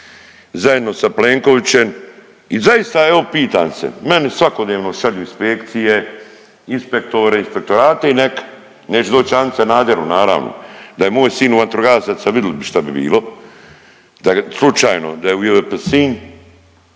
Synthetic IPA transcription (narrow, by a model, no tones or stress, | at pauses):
zajed̪no̞sapleːŋko̞ʋit͡ɕe̞m | izajist̪ae̞ʋopiːt̪a̰ːmsḛmenisʋako̞d̪neːʋno̞ʃaʎuinspekt̪sije | inspe̞k̚t̪o̞ɾeinspe̞k̚t̪o̞ɾaːt̪einekḁ | neːt͡ʃed̪oːt͡ɕaːnt̪sanaːd̪eɾunaːɾa̰ʋno̰d̪aje̞mo̞ːjsiːnuʋant̪ɾoɡaːsasaʋid̪elibiʃt̪abibḭːlˠo̞ | d̪̥aslˠut͡ʃaːjno̞̰d̪ajeujeʋepsiːn